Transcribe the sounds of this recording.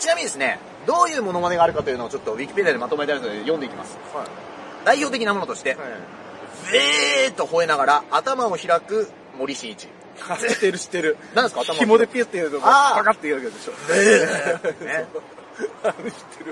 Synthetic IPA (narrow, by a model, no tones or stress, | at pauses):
t͡ɕinamʲiɲid̪e̞sɨne̞̰ | d̪o̞ːjɯ̟ːmo̞no̞maneɡaːɾɯ̟kat̪o̞jɯ̟noot͡ɕot̪ːo̞βʲikʲi̥pʲe̞d̪iad̪emat̪o̞mait̪aɾit̪oeejõ̞nd̪eikʲima̰sɨ̥ | d̪̥aiço̞ːt̪̬ek̬ʲinamo̞no̞t̪o̞ɕi̥t̪e̞ | zet̪ːo̞ho̞e̞naɡaɾaːt̪amao̞çiɾakɯ̟ | mo̞ɾʲiɕiːt͡ɕḭ | t̪eɾɕi̥t̪ːeɾɯ̟nãnd̪eskat̪amimod̪epʲisɨ̥t̪eiɯt̪oaaːakat̪ːeiβakeod̪eɕoe | ne | ɕi̥t̪ʰːeɾɯ